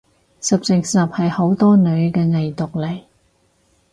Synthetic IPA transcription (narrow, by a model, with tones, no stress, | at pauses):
sɐ˨p̚t͡sɪ˨ksɐ˨p̚hɐ˨jho˨˥wt̪ɔː˥nɵ˨˧ɥkɛː˧ŋɐ˨jt̪ʊ˨k̚lɐ˨˩j